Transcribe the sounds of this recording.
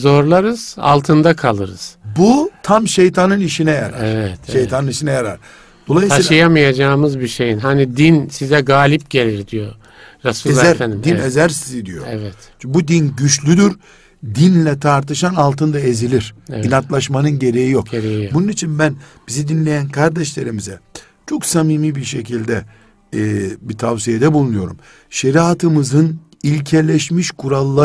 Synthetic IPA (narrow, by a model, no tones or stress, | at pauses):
zo̞ɾlˠaɾɯz̥a̰lˠt̪ʰɯnd̪akʰalˠɯɾɯ̰z̥but̪ʰamʃe̞jt̪ʰanɯniʃinɛja̰ɾa̰ɛɾvɛt̪ʃe̞jt̪ʰanɯniʃinɛjaɾa̰ɾ̥ | d̪̥o̞lˠajɯsiʃjamɯjad͡ʒaːmɯzbiʃe̞jinɦanid̪insizɛɡaːlʲipɟe̞lʲiɾd̪ijo | ɾasuezˠaæɾfænd̪imd̪inezæɾsizid̪ijo̰ɛvɛt̪ | bud̪inɟyt͡ʃlʲyd̪yɾ | d̪inlʲɛt̪ʰaɾt̪ʰɯʃanalˠt̪ʰɯnd̪ae̞zilʲiɾ̥inat̪lˠaʃmanɯnɟe̞ɾejijo̞keɾejijbununit͡ʃʰinbænb̥izid̪inlʲe̞jænkʰaɾd̪ɛʃlʲe̞ɾimizɛ | t͡ʃʰo̞ksamiːmiːbiɾʃe̞cʰilʲd̪ɛ | bit̪ʰavsijed̪ɛbulˠunujo̞ɾum | ʃeɾiat̪ʰɯmɯzɯn | ilʲcʰelʲeʃmiʃkʰuɾalˠːa